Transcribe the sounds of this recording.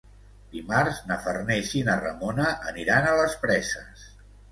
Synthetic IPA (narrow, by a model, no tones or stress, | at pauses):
d̪imarznəfərnɛʃinərə̰monəʔəniɾanələspɾɛsəs